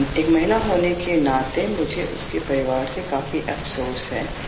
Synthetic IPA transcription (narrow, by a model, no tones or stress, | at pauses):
eːkmɐɦɪnaɦoːnekenãːt̪emʊd͡ʒʱeʔʊ̰skepɐɾɪʋaːɾsekaːfiʔɐfsoːɾsɦɛː